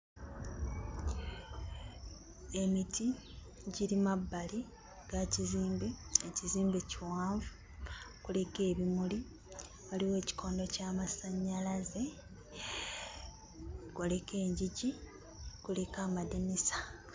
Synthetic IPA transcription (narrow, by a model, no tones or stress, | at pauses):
e̞miti | ɟiɾimabːali | ɡ̥aciziːmbeeciziːmbeciwaːɱvu | kule̞ke̞ːβimuli | βaliwe̞ːci̥kʰo̞ːndo̞caːmasaɲːalaze̞ | ɡole̞ke̞ːɲɟiɟi | kule̞kaːmadinisḁ